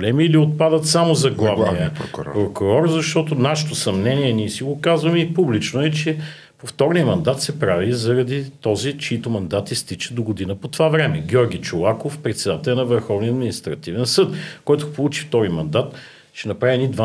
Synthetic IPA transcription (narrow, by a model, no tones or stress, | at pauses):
blɛmiːliot̪̚pad̪ət̪samozɐɡlˠavəpɾokʊɾɔɾzɐʃt̪ɔt̪onaʃɛ̥t̪osɐmnɛniɛniɛsiɡokazvəmipublit͡ʃnoɛt͡ʃɛ | poft̪ɔɾniəmɐnd̪at̪sɛpɾavizɐɾɐd̪it̪ɔzit͡ʃiit̪omɐnd̪at̪ist̪it͡ʃə̥d̪oɡod̪inəpot̪ovavɾɛmɛɡʲɔɾɡʲit͡ʃolˠakofpɾɛt̪sɛd̪at̪ɛlʲɐnɐvəɾxɔvniɐd̪minist̪ɾɐt̪ivɛnsɤt̪kɔjt̪ʊpolˠut͡ʃi̥ft̪ɔɾimɐnd̪at̪ | t͡ʃɛnɐpɾavinid̪va